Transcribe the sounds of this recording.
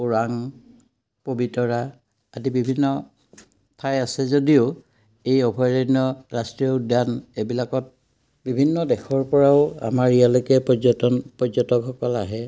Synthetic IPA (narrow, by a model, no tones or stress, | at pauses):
uɹaŋ | pobitɔɹaː | dibibʱinːɔ | tʰajasɛzodiʊ | ejɔbʱɔjɹɔniɔɹastɹiɔudjanebilakɔt̚ | bibʱinːɔdɛxʰɔɹpɔɹaʊa̰maɹijalojkɛpɔɔtɔnpɔzɔtɔkɦɔkɔlaɦɛ